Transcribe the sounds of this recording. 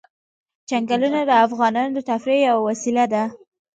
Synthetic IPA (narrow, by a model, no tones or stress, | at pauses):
t͡ʃaŋɡalunad̪əafɣɑnɑnod̪ət̪afɾejawawasilad̪a